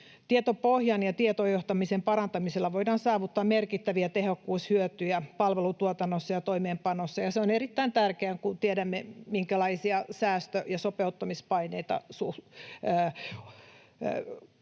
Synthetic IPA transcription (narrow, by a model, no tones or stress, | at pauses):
t̪iet̪opohjɑnjɑt̪iet̪ojoht̪ɑmisempɑrɑnt̪ɑmiselːɑʋoidɑːnsɑːʋut̪ːɑːmmerkit̪ːæʋiæt̪ehokːuːshyøt̪yjæpɑlʋelut̪uot̪ɑnːosːɑjɑt̪oimeːmpɑnosːɑjɑseoneɾit̪ːæint̪ærkeæŋkut̪iedæmːemiŋkælɑisiɑsæːst̪øjɑsopeut̪ːɑmispɑineit̪ɑ̰suː